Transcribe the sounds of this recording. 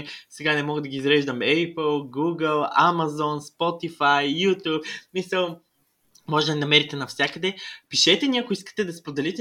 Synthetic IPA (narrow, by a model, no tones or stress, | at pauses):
sɛɡanɛmɔɡəd̪ɐɡʲiːzɾɛʒd̪ɐmɛpəlˠɡuɡəlˠa̰mɐzɔnspɔt̪ifajːut̪upsmisəlˠ | mɔʒɛt̪ninɐmɛɾit̪ɛnɐfsʲjakəd̪ɛpiʃɛt̪ɛniɐkoiskə̥t̪ɛd̪ɐspod̪ɛlit̪ɛ